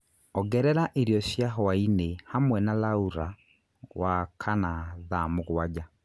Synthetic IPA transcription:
ɔɡɛɾɛɾaʔeɾijɔsjaɦɔwainehamwɛnalauɾa | wakʰanaðamoɣwad͡ʑa

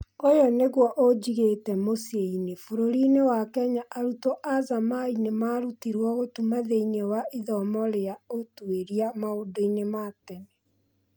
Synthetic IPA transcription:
ojɔneɣwɔʔod͡ʑiɣetɛmoseinefoɾoɾinewakɛɲaʔaɾutoʔazamainemaːɾutiɾwɔɣotumaðeinewaiðɔmɔɾejaotweɾiamaodoinematɛnɛ

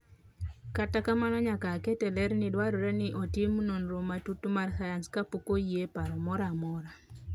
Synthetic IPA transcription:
katakamanɔɲakakɛtɛlɛɾnɪdwaɾɔɾɛnɪʔotimunonɾomatutumarsajanskapokojepaɾɔmɔɾamɔɾa

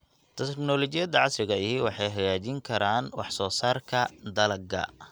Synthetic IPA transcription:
t̪ʰɛt̪knɔlɔt͡ʃɪjɐd̪ɐʕɑsrɪɣɐɪɦiwɑħɑjɦɐjaːt͡ʃɪŋkʰɐɾaːnwɑħsɔːsaːrkʰɐd̪ɐlɐɡɐ̰

